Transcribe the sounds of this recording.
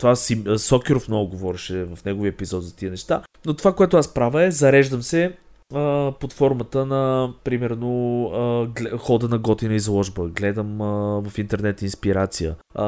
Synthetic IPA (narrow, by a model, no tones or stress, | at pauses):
t̪ovasisɔkɪɾofmnɔɡʊɡovɔɾɛʃɛvəfnɛɡoviəɛpizɔt̪zɐt̪iənɛʃt̪anot̪ovakoɛt̪ʊaspɾavəɛzɐɾɛʒd̪əmsɛ | əplot̪fɔɾmət̪ənɐpɾimɛɾnoəɡlxɔd̪ənɐɡɔt̪inəizlˠɔʒbəɡlɛd̪əmvɐfint̪ɛɾnɛt̪inspiɾat̪sijə̰